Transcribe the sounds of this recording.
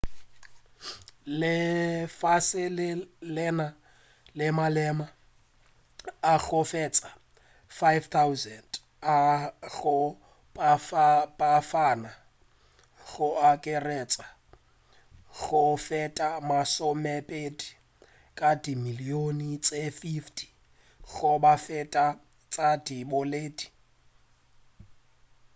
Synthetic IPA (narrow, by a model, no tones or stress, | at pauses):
lɪfasɪlɪlɛna | lɪmalɛma | aɣʰʊfɛt͡sʼa | fajvt̪ʰawzɛnd | aɣʊ | pʼafpʼafana | ɣʊakʼɪrɛt͡sʼa | ɣʊfɛtʼamasʊmɛpʼedi̥ | kʼadimilionit͡sʼefiftʰi̥ | ɣʊbafɛtʼa | t͡sʼadibʊleːdi̥